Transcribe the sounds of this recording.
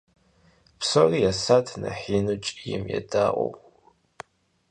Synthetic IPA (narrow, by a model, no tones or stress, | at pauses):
psorijasatʰnɐħiːnut͡ʃʼijɪmjɛdaːʔʷʼo̰